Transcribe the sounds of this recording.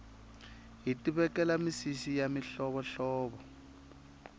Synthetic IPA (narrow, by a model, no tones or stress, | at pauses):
ɦitiβɛkɛlamisisijamiɬɔβɔɬɔːβɔ